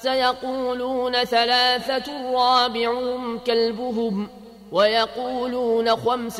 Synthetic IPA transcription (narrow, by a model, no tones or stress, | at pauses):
sajɑquːluːnaθalaːθarˤːɑːbɪʕʊhʊmkalbʊɦʊm | wajɑquːluːnaxams